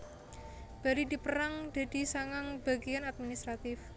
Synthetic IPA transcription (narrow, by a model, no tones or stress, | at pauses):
b̥aɾidipəɾaŋd̪̥a̤d̪̥i̤saŋaŋb̥aɡianad̪̚minist̪ɾat̪ɪf